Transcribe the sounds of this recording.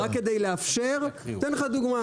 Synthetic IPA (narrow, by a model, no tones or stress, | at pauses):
akːed̪ejleafʃeʁenχad̪uɡma